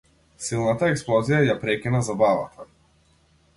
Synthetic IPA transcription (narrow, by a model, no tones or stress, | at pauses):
silˠnat̪aɛksplˠɔzijajapɾɛkʲinazabavat̪ʰa